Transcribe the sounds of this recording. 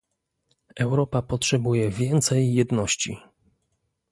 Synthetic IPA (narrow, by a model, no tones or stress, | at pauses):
ɛwɾɔpapɔtʂɛbujɛvʲjɛnt̪sɛjːɛd̪nɔɕt͡ɕḭ